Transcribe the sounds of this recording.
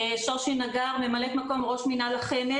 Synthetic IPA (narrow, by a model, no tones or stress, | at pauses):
ʃoʃinaɡaʁme̞malekmako̞mʁo̞ʃminalaχeme